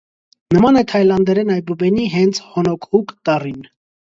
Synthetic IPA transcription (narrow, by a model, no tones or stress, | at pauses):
nəmɑnɛt̪ʰɑjlɑnd̪ɛɾɛnɑjbəbɛniɦɛnt͡sʰhɔnɔkʰukt̪ɑrin